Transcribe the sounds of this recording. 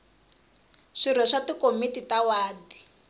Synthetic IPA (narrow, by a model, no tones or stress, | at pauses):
ʂiɾɛʂatikomititawaːdi